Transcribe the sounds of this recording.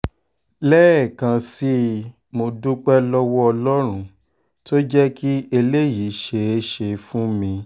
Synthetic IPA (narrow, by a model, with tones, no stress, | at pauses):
lɛ˦ɛ˦˨kã˧si˦ | mo˧du˦k͡pɛ˦lɔ˦wɔ˦ɔ˧lɔ˦ɾ̃ũ˦ | to˦d͡ʒɛ˦ki˦e˧le˦˨ji˨˦ʃe˨e˦ʃe˧fũ˦mĩ˧